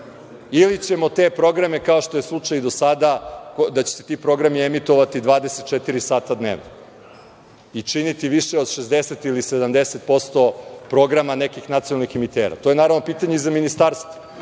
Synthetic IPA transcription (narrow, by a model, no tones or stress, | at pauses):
ilit͡ɕe̞mo̞t̪e̞pɾo̞ɡɾame̞kaoʃt̪o̞jeslˠut͡ʂajd̪o̞sad̪aod̪at͡ɕe̥set̪iːpɾo̞ɡɾamiemit̪o̞ʋat̪id̪ʋaːd̪eset̪̚t͡ʃet̪iɾisaːt̪ad̪nḛːʋno | it͡ʂinit̪iʋiʃeo̞d̪ʃezd̪eset̪ilised̪amd̪eset̪̚po̞st̪o̞pɾo̞ɡɾamanekixnat̪sionalˠnixemit̪eːɾa̰t̪oje̞naːɾaʋno̞piːt̪aɲeizaminist̪aɾst̪vo̥